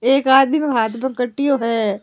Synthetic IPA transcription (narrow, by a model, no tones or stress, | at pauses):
eːkaːd̪mimẽɦaːt̪ʰbɐ̃kɐʈːijoɦɛː